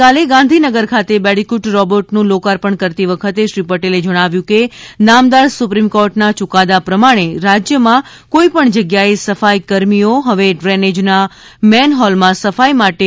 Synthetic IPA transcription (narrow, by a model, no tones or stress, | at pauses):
kaleɡãnd̪ʱinəɡəɾkʰat̪ebɛɽikuʈɾɔbəʈnũlokaɾpəɳkəɾt̪iʋəkʰət̪eʃɾipəʈeled͡ʒəɽ̃aʋjũkenamd̪aɾsupɾimkoɾʈnat͡ʃʊkad̪apɾəmaɽ̃eɾad͡ʒjəmã | koipəɳd͡ʒəɡjaesəfajkəɾmijoɦəʋeɖɾɛned͡ʒna | mɛnɦɔlmãsəfajmaʈe